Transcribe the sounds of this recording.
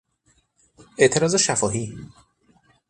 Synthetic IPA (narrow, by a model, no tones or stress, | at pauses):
ʔe̞ʔt̪ʰe̞ɾɒːzeʃæfɒːhiː